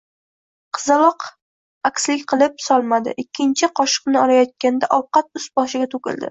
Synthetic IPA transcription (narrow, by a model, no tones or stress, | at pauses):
qʰɨzɑlɒq | akʲslɪkʲqʰɨlˠɪp̚sɒlˠmad̪ɪ̰ʔɪkʲʰːɪnt͡ʃʰɪqʰɒʃɨ̥qnɪɒɾajɒt̪̚kʲand̪aʔɒwqɑt̪̚ʊsbɒʃɪɡʲat̪ʰʊkʲɪ̰ld̪ɪ̰